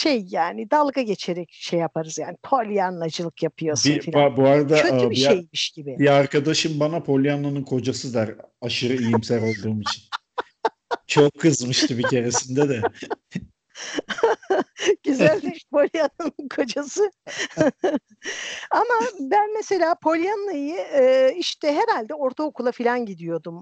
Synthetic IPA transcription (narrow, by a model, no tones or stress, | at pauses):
ʃejːaːnɪd̪alˠɡaɟe̞t͡ʃʰeɾɛc̚ʃe̞jːapʰaɾɯz̥ja̰ːnipʰo̞lʲijanlˠad͡ʒɯlˠɯkjapʰɯjosbiniabuaɾad̪aabiiʃejmiʃɟ̥ibɪbiaɾkad̪aʃɯmbanapʰo̞lʲjanlˠanɯnkʰo̞d͡ʒasɯd̪aɾaʃɯɾɯijimsæɾo̞lˠd̪uːmit͡ʃʰin | t͡ʃʰo̞kʰːɯzmɯʃt̪ʰɯbicʰe̞ɾesind̪ɛd̪ɛ | ɟ̥yzælʲiʃpʰo̞lʲjananɯnkʰo̞d͡ʒasɯ | amabænmese̞lʲaːpʰo̞lʲjanːajɯɯːiʃt̪ʰɛɦe̞ɾalʲd̪ɛo̞ɾt̪ʰaokʰulˠafilʲanɟid̪ijo̞d̪um